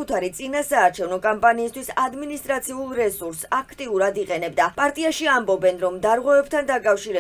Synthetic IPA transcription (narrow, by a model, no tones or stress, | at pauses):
ut̪ʰaɾit̪sʼinasaːɾt͡ʃʰɛvnɔkʼɔmpʼaniːst̪ʰwisad̪minist̪ʼɾat̪sʰiulˠɾɛsuɾsakʰt̪ʼiuɾad̪iqʼɛnɛbd̪apʼaɾt̪ʼiaʃiambɔbɛnɾɔmd̪aɾʁwɛvɛb̚t̪ʰand̪akʼafʃiɾɛ